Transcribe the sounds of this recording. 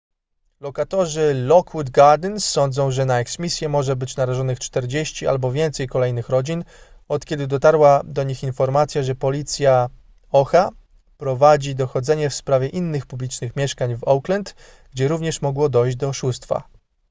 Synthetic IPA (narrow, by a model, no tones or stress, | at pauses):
lɔkat̪ɔʐɘlɔkwud̪ɡaɾd̪ɘnsːɔnd̪zɔ̃w̃ʐɛnaɛksmʲisʲjɛmɔʐɛbɘt͡ɕnaɾaʐɔnɘxt͡ʂt̪ɛɾd͡ʑeɕt͡ɕiʔa̰lbɔvʲjɛnt̪sɛjkɔlɛjnɘxɾɔd͡ʑin | ɔt̪kʲɛd̪ɘd̪ɔt̪aɾwad̪ɔɲixinfɔɾmat̪sʲjaʐɛpɔlʲit̪sʲja | ɔxa | pɾɔvad͡ʑid̪ɔxɔd̪zɛɲɛfspɾavʲjɛʔinːɘxpublʲit͡ʂnɘxmʲjɛʂkaɲvɔwklɛnt̪ | ɡ̥d͡ʑɛɾuvɲɛʂmɔɡwɔd̪ɔjʑd͡ʑd̪ɔːʂust̪fa̰